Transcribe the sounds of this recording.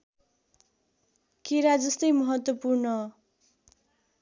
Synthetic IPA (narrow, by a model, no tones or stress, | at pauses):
kiɾad͡zʌst̪ʌjmʌɦʌt̪wʌpurnʌ